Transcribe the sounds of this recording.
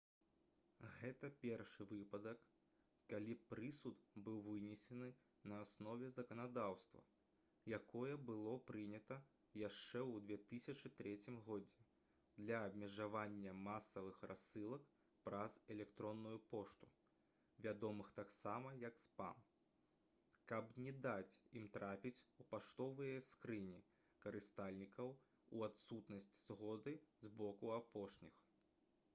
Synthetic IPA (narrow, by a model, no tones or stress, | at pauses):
ɣɛt̪ɐpʲɛrʂɨvɨpɐd̪ɐkː | alʲipɾɨsut̪bɨwvɨnʲɛsʲɛnɨ | nɐːsnɔvʲɛzɐkɐnad̪awst̪vɐ̰ | jakɔjɐbɨlˠɔpɾɨnʲɐt̪ɐ | jaʂt͡ʂɛwd̪vʲɛt̪ɨsʲɐt͡ʂɨt̪ɾɛt͡sʲimɣɔd͡zʲɛ | d̪lʲɐːbʲmʲɛʐavanʲːɐmasɐvɨxrʔasːɨlˠɐk | pɾɐzɛlʲɛkt̪ɾɔnːujupɔʂt̪u̥ | vʲad̪ɔmɨxt̪aksamɐjɐkspa̰m | kɐpnʲɛd̪at͡sʲimt̪ɾapʲit͡sʲupaʂt̪ɔvɨjɐskɾɨnʲi | kɐɾɨst̪alʲnʲikɐw | uat̪sut̪nɐsʲt͡sʲz̥ɣɔd̪ɨzbɔkuapɔʂnʲix